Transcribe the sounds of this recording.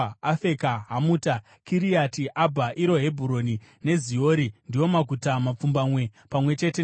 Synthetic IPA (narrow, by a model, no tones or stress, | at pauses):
afe̞kaɦamuta | kiɾijatiʔabʱaʔiɾo̞ɦe̞bʱuɾo̞nine̞zijo̞ːɾindijwo̞maɡʱutamap͡fumbamwe̞pamwe̞t͡ʃe̞te